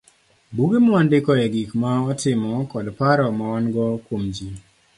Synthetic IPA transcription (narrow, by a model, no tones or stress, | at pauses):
buɡemɔandɪkɔɛɡikmaɔtɪmɔkɔdpaɾɔmawanɡɔkwomd͡ʒi